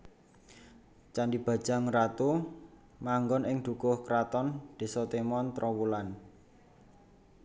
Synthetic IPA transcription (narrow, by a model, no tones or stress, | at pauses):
t͡ʃandib̥ä̤̥d͡ʒ̥a̤ŋrat̪u | maŋɡɔnɪŋd̪̥ṳkʊhkɾat̪ɔnd̪̥e̤sɔt̪emɔnt̪ɾʔɔwulan